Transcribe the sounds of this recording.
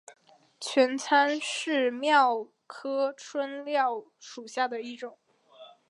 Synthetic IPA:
t͡ɕʰɥɛ˧˥nt͡sʰa˥nʂɻ̩˥˩˧mjɑ˥˩ʊ | kʰɤ˥ʈ͡ʂʰwə˥nljɑ˥˩ʊ | ʂu˨˩ɕja˥˩d̪ə˩i˥˩ʈ͡ʂʊ˨˩˦

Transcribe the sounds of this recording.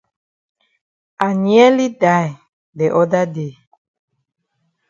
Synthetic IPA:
a˨ɲi˦ɛ˦li˦da˦˨j | dɛ˨ʔɔ˦da˦de˨

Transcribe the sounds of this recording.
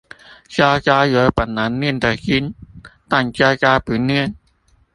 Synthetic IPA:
t͡ɕaː˧t͡ɕaː˧jɯ˨˦ə˦pa˨˩nːa˨˦˥nːi˧˩ənt̪a˨˩ki˧˥nt̪a˧˩ŋt͡ɕaː˧t͡ɕaː˧pɯː˨˩˦nːɯ˧˥˩ən

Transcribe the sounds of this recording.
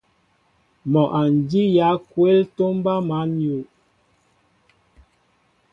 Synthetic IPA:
mɔ˨ʔa˨n˨di˦ja˨˦kwe˦lto˦m˦ba˦ma˨˦nju˨ʔ

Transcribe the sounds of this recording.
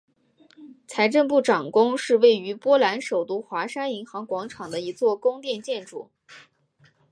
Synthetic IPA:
t͡sʰa˧˥ɪʈ͡ʂə˥˧np̬u˥˩ʈ͡ʂɑ˨˩ŋkʊ˥ŋʂɻ̩˥˧we˥˩ɪy˧˥pwɔ˥la˧˥nʂo˨˩ʊt̪u˥˩xwa˧˥ʂa˥ni˧˥ŋxɑ˧˥ŋkwɑ˧˥ŋʈ͡ʂʰɑ˨˩ŋd̪ə˦i˧˥t͡swɔ˥˩kʊ˥ŋt̪jɛ˥˧nt͡ɕjɛ˥˧nʈ͡ʂṵ˨˩˦

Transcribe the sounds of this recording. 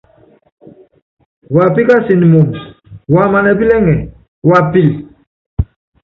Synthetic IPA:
wa˨pi˦ka˦si˨ni˨mu˨nwa˨ma˨nɛ˨bi˦lɛ˦ŋɛ˨ | wa˨pi˦˨l

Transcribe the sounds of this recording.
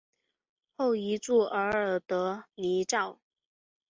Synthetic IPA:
xo˥˩ʊi˧˥t͡su˥˩ʔə˧˥ə˨˩t̪ɤ˧˥ni˧˥ʈ͡ʂɑ˥˩ʊ

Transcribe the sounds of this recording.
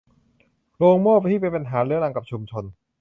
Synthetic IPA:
ɾoː˧ŋmoː˥˩p̚t̪ʰiː˥˩pe˧npa˧nɦaː˩˦ɾɯː˨˦əla˧ŋka˨˩p̚t͡ɕʰu˧mt͡ɕʰo˧n

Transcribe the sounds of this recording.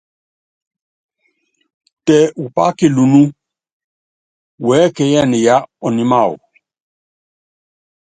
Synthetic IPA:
tɛ˨u˨pa̰˦ke˨lu˨nu˦ | wɛ˨˦kɛ˨ja˦˨ni˨ja˦ɔ˨ni˦ma˦˨ṵ˨

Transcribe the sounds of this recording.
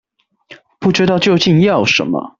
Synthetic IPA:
pu˥˩ʈ͡ʂɻ̩˥t̪ɑ˥˧ʊt͡ɕjo˥˧ʊt͡ɕi˥˧njɑ˥˩ʊʂə̰˧˥nmə̰˧

